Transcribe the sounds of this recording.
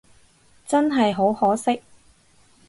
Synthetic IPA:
t͡sɐ˥nɦɐ˨jɦo˨˥whɔː˨˥sɪ˥k̚

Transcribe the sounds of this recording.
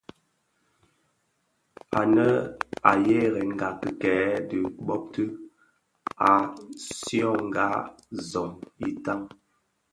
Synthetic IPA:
a˨nə˦a˨je˦ɣɛ˨ŋ˨ɡa˨kə˨kɛː˨˦də˨ɓɔ˦p̚tə˦ | a˨sjɔ̃˦˨ŋ˨ɡa˦ | zɔ˨mi˦ta˦ŋ

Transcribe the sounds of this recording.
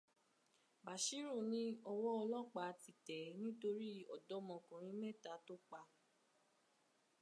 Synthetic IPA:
ba˨ʃi˦ɾu˦˨nĩ˦ɔ˧wɔ˦ɔ˧lɔ˦˨k͡pa˧ti˨tɛ˨˦nĩ˦to˧ɾi˦ɔ̰˨dɔ˨˦mɔ̃˧˨kũ˨ɾ̃ĩ˨˦mɛ˦˨ta˨˦to˦k͡pa˧

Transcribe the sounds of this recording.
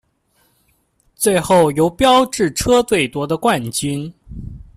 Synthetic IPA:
t͡swe˥˧ɪxo˥˩ʊjo˧˥ʊpjɑ˥ʊʈ͡ʂɻ̩˥˩ʈ͡ʂʰɤ˥t̪we˥˩ɪt̪wɔ˧˥d̪ə˧kwa˥˩nt͡ɕi˥n

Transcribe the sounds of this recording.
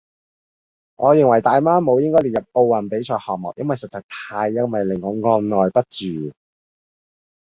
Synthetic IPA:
ŋʔɔː˨˧jɪ˨ŋwɐ˨˩jt̪aː˨jmaː˥mo˨˧wjɪ˥ŋkɔː˥jliː˨t̚jɐ˨p̚o˧wwɐ˨˩npe˨˥jt͡ʃʰɔː˨˧jhɔː˨k̚mɔ̰˨k̚jɐ˥nwɐ˨jsɐ˨t̚t͡sɐ˨˧k̚t̪ʰaː˧jːɐ˥wmɐ˨jlɪ˨˩ŋːɔː˨˧ŋɔː˧nnɔː˨˩jpɐ˥t̚t͡ʃyː˨˩

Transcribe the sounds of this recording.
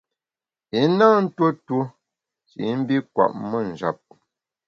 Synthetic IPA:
i˨˦na˦n̩˦two˦two˦ | t͡ʃḭ˨˦m̩˦bi˦kwa̰˨ʔmə˦˨n̩˨d͡ʒa˨p̚

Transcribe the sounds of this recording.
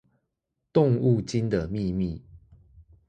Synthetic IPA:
t̪o˥˨ŋu˥˨t͡ɕi˦nd̪ə˨mi˥˨mi˥˨

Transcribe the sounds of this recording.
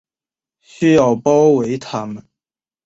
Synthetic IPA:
ɕy˥jɑ˥˩ʊpɑ˥ʊwe˧˥ɪt̪ʰa˥mə˨n

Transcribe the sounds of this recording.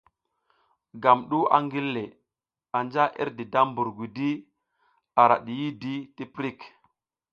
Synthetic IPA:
ɡa˨mɗu˦a̰˨ŋɡi˦lːe˨ | a˨nd͡ʒa˦ʔḭ˦ɾdi˨da˦mbu˨ɾɡʷi˨di˦ | a˨ɾa̰˨ɗi˨ji˦di˦ti˦pɾi˦˨k

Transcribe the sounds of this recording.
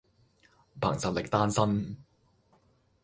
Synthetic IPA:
pʰa̰ː˨˩ŋsɐ˨t̚lɪ˨k̚t̪aː˥nsɐ˥n

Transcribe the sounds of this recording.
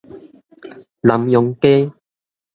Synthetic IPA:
la˨˦mjɔ˨˦ŋke˦

